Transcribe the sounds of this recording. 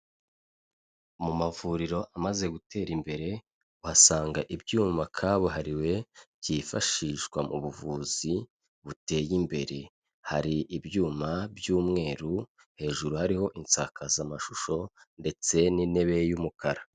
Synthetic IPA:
mumavuɾiɾo̞ʔamaze̞ɡutʰe̞ːɾimbe̞ɾe̞ | uhasaːŋɡaʔibjuːmakʰaβoɦaɾiwe̞bjifa̰ʃiːʃkwamuβuvuːz̥i | βute̞ːjimbe̞ɾe̞ | haɾiʔibjuːmabjuːmŋe̞ːɾu | he̞ːʒuɾuhaɾiho̞ʔint͡sakʰazamaʃuʃo̞ | nde̞t͡se̞nine̞βe̞jumukʰaɾa

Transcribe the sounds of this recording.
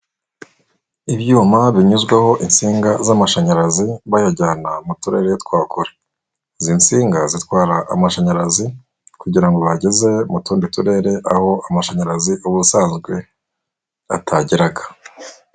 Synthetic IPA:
iβjuːmaβiɲuzɡwaho̞ʔint͡siːŋɡazamaʃaɲaɾaziβajaɟaːnamutuɾe̞ːɾejetwaːkuɾe | zint͡siːŋɡazitkwaːɾaʔa̰maʃaɲaɾazi | kuɟiɾaŋɡo̞βaɟeze̞mutuːndituɾe̞ɾe̞ʔaho̞amaʃaɲaɾaziʔuβusaːnzɡwe̞ | atʰaɟiɾaɡḁ

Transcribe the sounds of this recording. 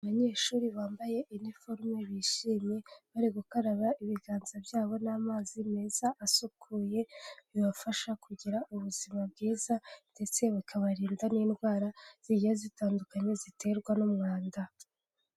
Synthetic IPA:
aβaɲe̞ːʃuːɾiβaːmbaje̞ʔinifoɾmeβiʃiːmɲe̞βaɾiɡukaɾaβaʔiβiɡaːnzabjaːβo̞naːmaːzimez̥aʔːsukʰuːje̞βiβafaʃakʰuɟiɾaʔuβuz̥imabɡiːzande̞t͡se̞βakʰaβaɾiːndaniːnɡɡwaːɾaz̥iɟijazitaːndukaɲe̞zitʰe̞ɾɡwanumŋaːnda

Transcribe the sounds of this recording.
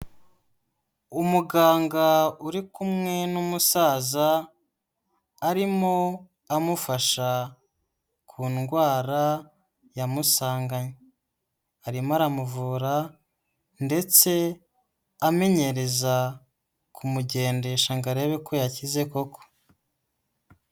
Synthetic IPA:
umuɡaːŋɡauɾikumŋe̞numusaːza | ɾimo̞ | amufaʃa | kʰuːnɡwaːɾa | jamusaːŋɡaɲe | aɾimoaɾamuvuːɾa | nde̞t͡se̞ | ame̞ɲe̞ɾe̞za | kʰumuɟe̞ːnde̞ʃaŋɡaɾeβeko̞jacize̞ko̞ko̥

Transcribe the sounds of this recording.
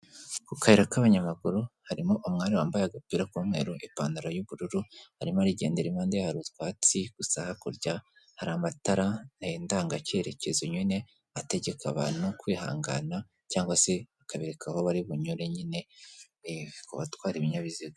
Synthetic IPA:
kukaeɾakaβaɲamaɡuɾuhaɾimoʔumŋaːɾiwaːmbajaɡapiɾakuːmŋe̞̰ɾoʔipaːndaɾajuβuɾuɾuhaɾimaɾiɟe̞ːnde̞ɾimaːndehaɾutkwaːt͡siɡ̥usahakuɾɟa | haɾaːmataɾanaeːndaːŋɡace̞ɾe̞ce̞zoɲwine̞ | ate̞ɟe̞kʰa̰βa̰ːn̥hukwiːha̰ːŋɡa̰na | caːŋɡwase̞βakaβeɾekʰaho̞βaɾiβuɲuɾe̞ɲine̞ | ko̰βatwaːɾiβiɲaβiziɡa

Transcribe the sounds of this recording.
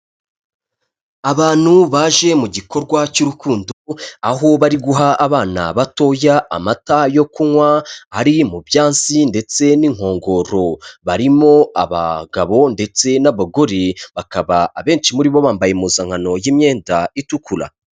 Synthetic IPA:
aβaːn̥huβaːʒe̞muɟiko̞ɾɡwacuɾukuːnduaɦo̞βaɾiɡuɦaːβaːna̰βato̞ːja̰ːmatajo̞kuŋwahaɾimubjaːnsinde̞t͡se̞niŋ̥ho̞ːŋɡo̞ːɾo̞βaɾimo̞aβa̰ɡaβo̞nde̞t͡se̞naβaɡoɾiβakaβaaβe̞ːnʃimuɾiβo̞βaːmbaje̞muzaŋ̥hano̞jiːmɲe̞ːndaitukʰula̰

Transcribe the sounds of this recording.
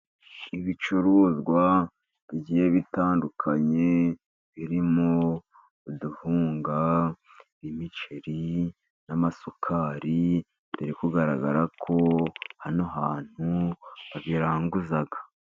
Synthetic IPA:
iβit͡ʃuɾoːzɡwa | βiɟijeβitaːndukʰaɲe̞ | βiɾimo | uduhuːŋɡa | βimit͡ʃeɾi | namasokʰaɾi | biɾikuɡaɾaɡa̰ɾakʰo̞hanoɦaːn̥huβaβiɾaːŋɡuzaɡḁ

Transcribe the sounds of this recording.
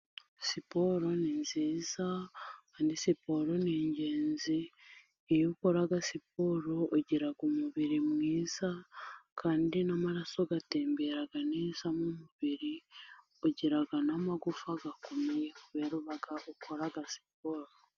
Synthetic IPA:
sipoɾo̞ninziːzakaːndisipo̞ɾo̞niːɲɟe̞ːnziː | joko̞ɾaɡasip̚oːɾoʔoɟiɾaɡumuβiɾimŋiːz̥akʰaːndinamaɾaso̞ɡate̞ːmbe̞ɾaɡaneːzamumuβiɾi | oɟiɾaɡanamaɡufaɡakomijeuβweːɾuβaɡaʔukʰo̞ɾaɡasi̥p̚oːɾo

